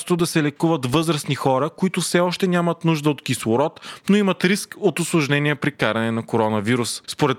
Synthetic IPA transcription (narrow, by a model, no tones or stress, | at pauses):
st̪od̪ɐsɛlɛkuvət̪vɤzɾɐsnixɔɾəkoit̪ʊfsɛɔʃt̪ɛnʲamɐt̪nuʒd̪əot̪kislˠʊɾɔt̪noimɐt̪ɾiskot̪ʊslˠoʒnɛniɛpɾikaɾɐnɛnɐkoɾɔnɐviɾusspoɾɛt̪